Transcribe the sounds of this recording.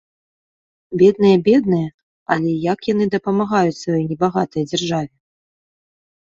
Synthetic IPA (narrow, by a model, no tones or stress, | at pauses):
bʲɛd̪̚nɨjɐbʲɛd̪nɨjɐ | ɐ̰lʲɛjakjanɨd̪ɐpɐmaɣajut͡sʲsvajɔjnʲɛbaɣat̪ɐjɐd͡zʲarʐavʲɛ